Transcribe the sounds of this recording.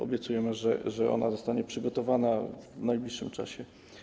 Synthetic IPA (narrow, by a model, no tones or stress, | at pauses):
ɔ̰bʲjɛt̪sujɛmɘʐɛ̰ʐɛʔɔ̰na̰zɔst̪aɲɛpʂɘɡɔt̪ɔvanavnajblʲiʂːɘmt͡ʂa̰ɕɛ